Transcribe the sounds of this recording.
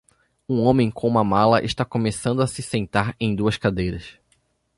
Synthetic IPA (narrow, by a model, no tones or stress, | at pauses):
ũõmẽj̃kõũmɐmalɐʔɪʃt̪akomesɐ̃nd̪ʊɐsɪsẽnt̪aɾẽj̃d̪uɐskad̪ejɾɐs